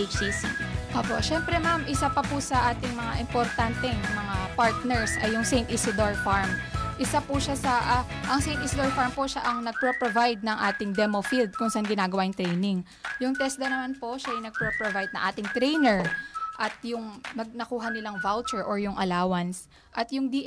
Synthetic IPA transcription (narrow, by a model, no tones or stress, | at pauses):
et͡ʃisḭʔoːpo̰ʃɛmpɾɛmamʔɪsapɐpʊsɐʔaːt̪ɪŋmɐŋaʔɪmpoɾt̪ant̪ɛŋmɐŋapaɹt̪̚nɛɹsʔɐjːʊŋsejnt̪ʔisɪd̪oɹfaɹmʔɪsapʊʃasɐʔa | ʔɐŋsejnisɪd̪oɹfaɹmpoʃaʔɐŋnɐɡ̚pɾopɾovajd̪̚nɐŋʔaːt̪ɪŋd̪ɛmofild̪̚kʊŋsɐʔanɡɪnaːɡɐwaːnɪŋt̪ɾɛjnɪŋ | jʊŋt̪ɛsd̪ɐnɐmanpo̞ʃajɐjnɐɡ̚pɾopɾovajd̪̚nɐ̰ŋʔaːt̪ɪŋt̪ɾɛjnɛɹʔɐt̪̚jʊŋmɐɡ̚nɐkuːɦɐnɪlaŋvalt͡ʃɛɹʔoɹjʊŋʔɐlaːwɐns | ʔɐt̪jʊŋd̪i